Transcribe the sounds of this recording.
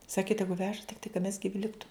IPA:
ˈsɑːkʲɪ ˈtʲæːɡʊ ˈʋʲæːʒɐ tʲɪkˈtɐɪ kɐ mʲɛs ɡʲɪˈʋʲɪ ˈlʲɪktʊ

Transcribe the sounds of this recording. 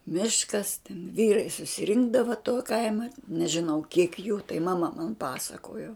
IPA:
ˈmʲɪʃkɐs tʲɛn ˈʋʲiːrɐɪ sʊsʲɪˈrʲɪŋɡdɐʋɐ tuɔ ˈkɐɪmɐ nʲɛʒʲɪˈnɐʊ kʲiɛk juː tɐɪ mɐˈmɐ mɐn ˈpɑːsɐkoːjoː

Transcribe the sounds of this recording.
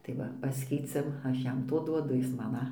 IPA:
tɐɪ ˈʋɐ ˈpɑːsʲkʲɛɪt͡sʲɛm ˈɐʃ ˈjɛm ˈtoː ˈduɔdʊ ˈjɪs ˈmɐn ɐ

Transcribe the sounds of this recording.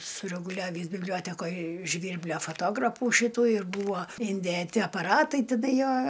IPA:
sʊrʲɛɡʊˈlʲæːʋʲiːs bʲɪbʲˈlʲoːtʲɛkoːj ˈʒʲʋʲiːrʲbʲlʲoː foːtoːˈɡrɑːpuː ˈʃʲɪtuː ɪr ˈbuːʋoː ɪnʲdʲeːˈtʲɪ ɐpɐˈrɑːtɐɪ ˈtʲɪdɐ ˈjoː

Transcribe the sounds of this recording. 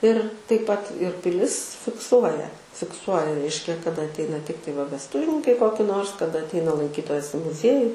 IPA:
ɪr tɐɪp pɐt ɪr pʲɪˈlʲɪs fʲɪkˈsuɔjɛ fʲɪkˈsuɔjɛ ˈrʲɛɪʃʲkʲɛ kɐˈdɐ ɐtʲˈɛɪnɐ ˈtʲɪktɐɪ ʋɐ ʋʲɛsˈtʊʋʲɪnʲɪŋkɐɪ ˈkoːkʲɪ ˈnoːrs kɐˈdɐ ɐtʲˈɛɪnɐ lˠɐŋʲˈkʲiːtoːjɛs ɪ mʊˈzʲiɛjʊ

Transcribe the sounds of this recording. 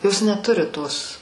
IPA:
ˈjoːs nʲɛˈtʊrʲɪ ˈtoːs

